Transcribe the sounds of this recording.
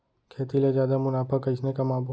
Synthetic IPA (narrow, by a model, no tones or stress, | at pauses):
kʰeːt̪ilezjaːd̪amʊnaːpʰakət͡ʃnekamaːbʱ